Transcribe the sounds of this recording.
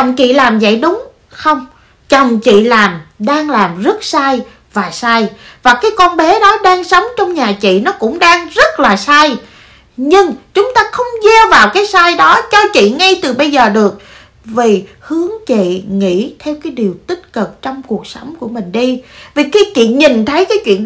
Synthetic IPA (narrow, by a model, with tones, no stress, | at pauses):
ɔ˨˩wŋ͡mt͡ɕḭ˧˨laː˨˩mzə̰˧˨jɗʊ˨˦ŋ͡m | xə˧wŋ͡m | t͡ɕə˨˩wŋ͡mt͡ɕḭ˧˨laː˨˩mɗaː˧ŋlaː˨˩mzə˦˥t̚saː˧j | vaː˨˩saː˧jvaː˨˩kaː˨˦jkɔ˧nɓɛ˨˦ɗɔ˨˦ɗaː˧ŋsə˨˦wŋ͡mt͡ɕɔ˧wŋ͡mɲaː˨˩t͡ɕḭ˧˨nɔ˨˦kʊ̰˧˥ŋ͡mɗaː˧ŋzə˦˥t̚laː˨˩saː˧j | ɲɨ˧ŋt͡ɕʊ˨˦ŋ͡mt̪aː˧xə˧wŋ͡mzɛ˧vaː˨˩wkaː˨˦jsaː˧jɗɔ˨˦t͡ɕɔ˧t͡ɕḭ˧˨ŋa˧jt̪ɨ˨˩ɓə˧jzəː˨˩ɗɨ˨˩ək̚ | vi˨˩ | hɨ˨˦əŋt͡ɕḭ˧˨ŋḭ˧˥t̪ʰɛ˧wkaː˨˦jɗi˨˩əwt̪i˦˥t̚kɨ˨˩k̚t͡ɕɔ˧wŋ͡mku˨˩ək̚sə˨˦wŋ͡mku˧˩əmï˨˩ŋ̟ɗi˧vi˨˩xaiː˧˦t͡ɕḭ˧˨ɲi˨˩nt̪ʰə˨˦jkaː˨˦jt͡ɕwḭ˧˨ən